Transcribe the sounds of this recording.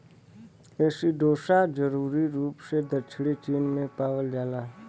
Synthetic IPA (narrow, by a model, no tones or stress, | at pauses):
eːsiɖoːsad͡ʒəɾuːɾiɾuːpsed̪ət͡ʃʰɽit͡ʃiːnmẽpaːʋəld͡ʒaːla